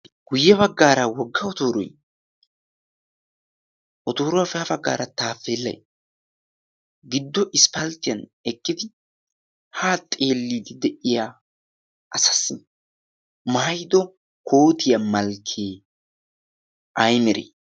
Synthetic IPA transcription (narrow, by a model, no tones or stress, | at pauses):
ɡ̥ʊjːɛbɐɡːaːɾɐwɔɡːɐɔt̪oːɾɔ̰j | ʔɔt̪oːɾɔwɐfɛɐbɐɡːa̰ːɾɐt̪aːfːeːlːɐ̰j | ɡɪd̪ːɔʔɪspɐlt̪ːɪjɐnɛkːɪd̪ɪ | haːt̪ʼe̞ːlːiːd̪ɪd̪ɛʔɪja | ʔɐsɐ̥sːɪ | majd̪ɔ | kʰoːt̪ɪjɐmɐlkʰːeː | ɐjmɛɾḛ